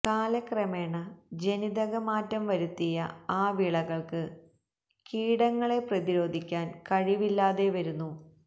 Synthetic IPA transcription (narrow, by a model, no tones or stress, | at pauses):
kaːlɐkrɐmeːɳɐd͡ʑe̞niðɐɣɐmaːtːɐmʋɐɾut̪ːijɐ̰aːʋiɭɐɣɐɭkɨ | kiːɽɐŋːɐɭe̞prɐðiɾo̞ːd̪ʱikʲːaːnkɐɻiʋilːaːðe̞ʋɐɾunːu